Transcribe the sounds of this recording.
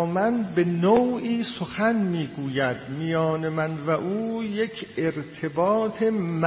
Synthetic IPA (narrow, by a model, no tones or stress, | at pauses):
mænbe̞nowʔiːsoxænmiːɡuːjæd̪mijɒːne̞mænvæʔuːje̞cʰeɾt̪ʰebɒːt̪ʰe̞m